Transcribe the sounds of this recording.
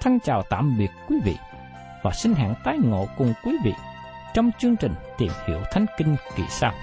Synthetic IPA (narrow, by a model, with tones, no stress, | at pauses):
t̪ʰa˧ŋt͡ɕaː˨˩wt̪a̰ː˧˨mɓi˨˩ət̚kwi˨˦vḭ˧˨ | vaː˨˩sï˧ŋ̟ɦa̰ː˧˨ŋt̪aː˨˦jŋo̰˧˨kʊ˨˩ŋ͡mkwi˨˦vḭ˧˨ | t͡ɕɔ˧wŋ͡mt͡ɕɨ˧əŋt͡ɕï˨˩ŋ̟t̪i˨˩mhḭ˧˩əwt̪ʰa˨˦jŋ̟ki˧ŋ̟kḭ˧˩saː˧w